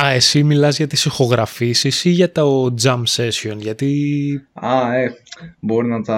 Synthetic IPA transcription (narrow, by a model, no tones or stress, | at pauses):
ɐe̞similɐzʝɐt̪isixo̞ɣɾɐfisisiʝɐt̪ood͡zɐmse̞sio̞nʝɐt̪i | ɐebo̞ɾinɐt̪ɐ